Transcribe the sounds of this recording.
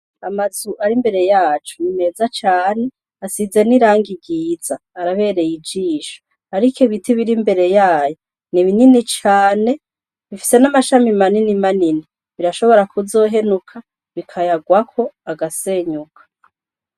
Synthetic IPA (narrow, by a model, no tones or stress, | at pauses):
amazuʔaɾimbe̞ɾe̞jaːt͡ʃunine̞ːzat͡ʃaːne̞ | asize̞niɾaːŋɡiɡiːz̥aːɾaβe̞ːɾe̞jid͡ʒiːʃo̥ | aɾikoβitiβiɾimbe̞ɾe̞jaːjo | niβininit͡ʃaːne̞ | βifi̥se̞namaʃamimaninimanini | βiɾaʃo̞βo̞ɾakuzo̞ːɦe̞nukʰa | βikʰajaɡwakʰo̞aɡase̞ːɲukʰḁ